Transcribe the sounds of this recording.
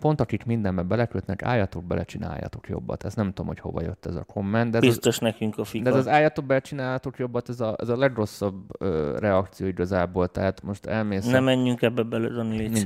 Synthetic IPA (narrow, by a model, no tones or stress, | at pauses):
po̞nt̪ɒkikmind̪ɛmbɛbɛlɛkøt̪nɛka̰ːjɒt̪o̞ɡ̚bɛlʔɛt͡ʃina̰ːjːɒ̰t̪o̞kjo̞̰bːɒ̰t̪ɛst̪nɛmt̪uomho̞cho̞̰vɒ̰jø̞t̪ːɛzɒ̰kʰo̞mːɛnd̪d̪ɛzbist̪oʃnɛkyŋkɒfid̪ɛzɒzaːjɒt̪oɡ̚bɛlɛt͡ʃinaːlɒt̪o̞kjo̞bːɒt̪ɛzɒʔɛzɒlɛɡro̞sːɒbøːrɛɒkt̪sijoːiɡɒzaːboːlt̪ɛɦat̪mo̞ʃt̪ɛlmeːsnnɛmɛɲːyŋkɛbːɛbɛlød̪ɒnei